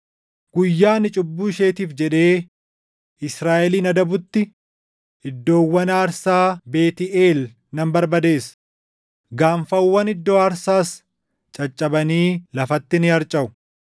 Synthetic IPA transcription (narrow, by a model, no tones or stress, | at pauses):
ɡ̥ʊjːaːnɪt͡ʃʼʊbːuːʃe̞ːt̪iːfd͡ʒɛᶑe̞ː | ɪsɾaːʔɛliːnɐd̪ɐbʊt̪ːɪ | ɪd̪ːo̞ːwːɐnaːɾsaːbe̞ːt̪ɪʔeːl | nɐmbɐɾbɐd̪e̞ːs | ɡaːmfɐwːɐnɪd̪ːoːɐɾsaːs | t͡ʃʼɐt͡ʃʼːɐbɐniːlɐfɐt̪ːɪnɪɐɾt͡ʃʼɐʔʊ̥